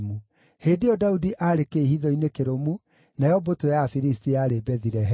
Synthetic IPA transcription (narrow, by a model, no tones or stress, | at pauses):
mu | heːdejɔdaudiʔaɾekehiðɔinekeɾomu | najɔbotojafiɾistiaɾebɛðiɾɛɦ